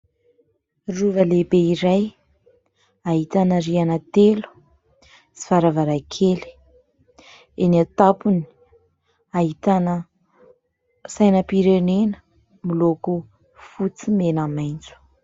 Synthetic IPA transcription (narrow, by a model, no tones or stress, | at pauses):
ruvəlebeiɾaj | aɦit̪anəɾianat̪elu̥ | si̥faɾavaɾakʰeli̥ | eniat̪apuni̥ | aɦit̪anə | sajnəpiɾenenə̥ | miloku | fut͡simenamajnt͡su̥